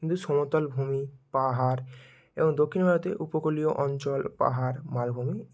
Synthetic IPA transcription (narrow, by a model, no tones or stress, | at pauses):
kint̪usɔmot̪olbʱumipaɦaɾ | ebɔŋd̪okʰːinbʱaɾot̪ḛʔupokolioʔɔnt͡ɕɔlpa̰ɦaɾmalbʱumi